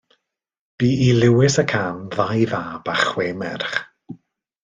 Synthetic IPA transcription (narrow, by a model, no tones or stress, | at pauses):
b̥iːilɪwɪsəkʰaːnðajðaːb̥aχweːmɛ̰rχ